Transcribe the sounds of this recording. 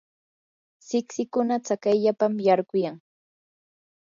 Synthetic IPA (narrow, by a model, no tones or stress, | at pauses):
sɪksɪkʊnat͡sakajʎapamjaɾɢʊjaŋ